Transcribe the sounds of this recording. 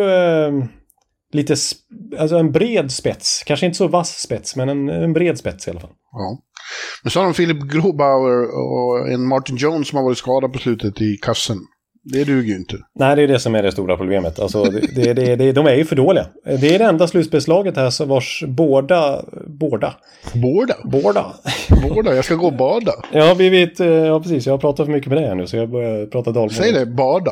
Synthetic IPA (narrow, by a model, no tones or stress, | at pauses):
liːt̪əsalsɔɛnbɾeːd̪spɛt̪skʰanʂəɪnt̪əsɔvasspɛt̪smɛnɛnɛnbɾeːd̪spɛt̪sɪhalːafa̰lːɑːmɛnsɔhaɾɔmfɪlɪpɡɾuːbaʊəɾɔ̰ɛ̰nmɑʈɪnd͡ʒɔʊnsɔmhaɾvɑːɾɪt̪skɑːd̪apɔslʉ̟ːt̪ʰət̪ɪkʰasːən | d̪ɛɖ̪ʉːɡəjʏɪnt̪ʰənæɪd̪ɛjd̪ɛsɔmæɖɛst̪uːɾapʰɾʊbleːmət̪ʰa̰lsɔd̪ɛd̪ɛd̪ɛd̪ɛd̪ɔmæɾjɵfœɖoːlɪɡa̰d̪ɛːɖɛɛnd̪aslʉt̪sbeɛlslɑːɡət̪hæʂɔvaʂboːɖaboːɖa̰ | boːɖaboːɖa̰boːɖajɑskaɡoːbɑːɖajɑhaɾblivɪt̪jɑːpʰɾɛsiːsjɑhaɾpʰɾɑːt̪at̪fœɾmʏkːəmɛd̪ɛhæɳʉ̟ːsɔjɑbœɾjapʰɾɑːt̪ad̪ɑːlmsɛjɖɛbɑːɖa